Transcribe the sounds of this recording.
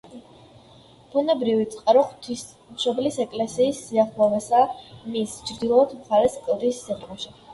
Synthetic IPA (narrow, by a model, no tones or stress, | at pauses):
b̥unɛbɾivit̪sʰʼqʼaɾɔχt̪ʰis | mʃɔblisɛkʼlɛsiːsːiaχlˠɔvɛsamist͡ʃʰɾd̪ilˠɔːt̪ʰmχaɾɛskʼlɾisːɛt̪ʼmɔʃi